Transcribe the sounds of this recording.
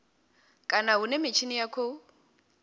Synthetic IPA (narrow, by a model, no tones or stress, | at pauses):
kʼanaunɛmɪt͡ʃʰinijakʰo